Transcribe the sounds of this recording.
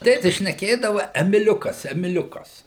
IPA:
ˈtʲeːtʲɪs ʃʲnʲɛˈkʲeːdɐʋɐ ɛmʲɪˈlʲʊkɐs ɛmʲɪˈlʲʊkɐs

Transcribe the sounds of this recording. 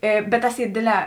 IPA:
ˈeː bʲɛt ˈtɐs ˈiː ˈdʲeːdʲˌlʲɛː

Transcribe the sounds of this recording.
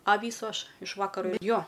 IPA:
ɐ ˈʋʲiːsʊ ˈɐʃ ɪʃ ˈʋɑːkɐroː ˈjoː

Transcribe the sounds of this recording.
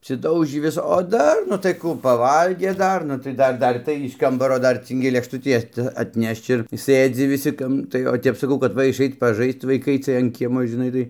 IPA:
ɐpʲsʲɪˈdɐʊʒʲiː ˈʋʲɪs oː ˈdɐr nʊ tɐɪ ˈkuː pɐˈʋɐlʲɡʲeː ˈdɐr nʊ tɐɪ ˈdɐr ˈdɐr tɐɪ ɪʃ ˈkɐmbɐroː ˈdɐr ˈt͡sɨŋʲɡʲɪ lʲeːkʃˈtʊtʲiː ˈɐt ɐtʲˈnʲɛʃt͡ʃ ɪr ˈsɘd͡zʲɪ ʋʲɪˈsʲɪ ˈkɐm tɐɪ oː ˈtʲɛp sɐˈkɐʊ kɐt ˈʋɐ ɪʃˈɐɪt pɐˈʒɐɪst ʋɐɪˈkɐɪ ˈt͡sɨɜj ɐn ˈkʲiɛmoː ʒʲɪˈnɐɪ tɐɪ

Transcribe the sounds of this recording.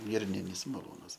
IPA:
ˈɡʲɪrʲnʲɪnʲɪs mɐˈlˠuːnɐs

